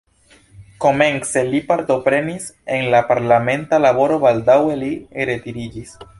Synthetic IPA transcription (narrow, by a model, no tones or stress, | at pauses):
ko̞me̞nse̞lipaɾt̪o̞pɾe̞nisenlapaɾlame̞ntalabo̞ɾo̞bald̪awe̞liɾet̪iɾid͡ʒis